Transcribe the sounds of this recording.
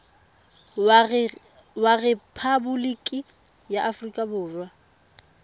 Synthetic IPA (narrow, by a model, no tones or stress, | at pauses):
warɛpʰabʊlikʼi | jaʔafrikʼabʊːrwa